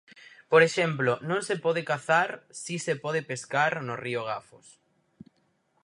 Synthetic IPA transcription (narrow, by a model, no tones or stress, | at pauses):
poɾeʃɛmplonõŋsepɔðekaθaɾsisepɔð̞ɪpeskaɾnorioɣ̞afo̰s